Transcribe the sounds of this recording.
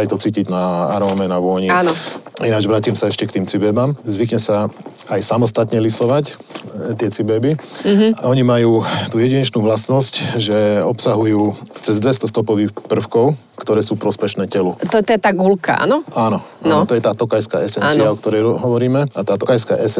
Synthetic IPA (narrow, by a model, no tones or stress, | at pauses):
ajt̪ɔt͡siːciɟnaaɾɔːmɛnaʋʊɔɲiaːnɔinad͡ʒʋɾaːcimsaɛʃcɛkt̪iːmt͡sibɛːbamzʋikɲɛsa | ajsamɔst̪at̪ɲɛlisɔʋac | t̪ɪɛt͡sibɛbiɦaʔɔɲimajuːt̪uːjɛɟiɲɛt͡ʃnuːʋlasnɔscʒɛɔpsaɦujuːt͡sɛzd̪ʋɛst̪ɔst̪ɔpɔʋiːxpr̩fkɔʊ | kt̪ɔɾɛːsuːpɾɔspɛʃnɛːcɛlut̪t̪ɔjɛt̪aːɡulka̰a̰nɔaːnɔʔanːnɔt̪ɔjɛt̪aːt̪ɔkajska̰ːɛsɛnaːt͡siaɔkt̪ɔɾɛjɦɔʋɔɾiːmɛat̪aːt̪ɔkajska̰ʔɛs